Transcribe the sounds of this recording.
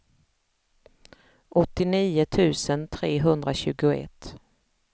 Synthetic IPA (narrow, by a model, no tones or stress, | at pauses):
ʔɔt̪ːɪniːʊt̪ʰʉ̟ːsənt̪ʰɾeːɦɵnd̪ɾaɕʉ̟ːɡʊɛ̰t̪ː